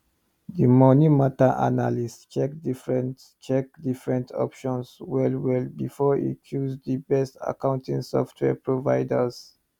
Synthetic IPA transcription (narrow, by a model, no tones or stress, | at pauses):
dimɔnimataʔa̰nalist͡ʃɛkdifɹɛ̃nt | t͡ʃɛk̚difɹɛ̃ntʰɔ̰pʃɔ̃nswɛlwɛlbifɔḭkʰjuzdibɛsta̰kãw̃ntĩŋsɔftʰwɛ̰pɹovaɪdəs